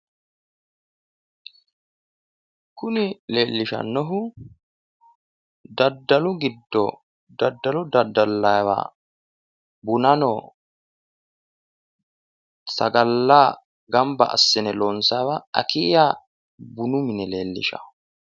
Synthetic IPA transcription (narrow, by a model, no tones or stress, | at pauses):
kʊnɪleːlːɪʃɐ̰nːɔɦʊ | d̪ɐd̪ːɐlʊɡɪd̪ːɔ̰ | d̪ɐd̪ːɐlʊd̪ɐd̪ːɐlːɐwa̰ | bʊnɐnɔ | sɐɡɐlːaː | ɡɐmbɐ̰ʔɐ̰sːɛnɛloːnsawaɐ̰kija | bʊnʊmɪnɛle̞ːlːɪ̰ʃɐ̰